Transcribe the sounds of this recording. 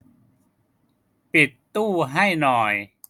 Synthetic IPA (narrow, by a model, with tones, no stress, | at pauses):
pi˨˩t̪ːuː˥˩ɦa˥˩jnɔː˨˩j